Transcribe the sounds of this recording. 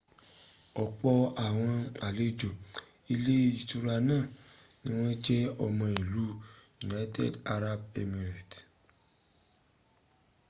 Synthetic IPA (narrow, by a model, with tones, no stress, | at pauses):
ɔ˨k͡pɔ˧a˨w̃ɔ̃˧a˨le˦d͡ʒo˨ | i˧le˦i˨tu˧ɾa˧nãː˦˨nĩ˦w̃ɔ̃˦d͡ʒɛ˦ɔ˧mã˧i˨lu˨˦ju˨na˦jtḛ˦da˧ɾa˧be˦˧mi˨ɾa˨t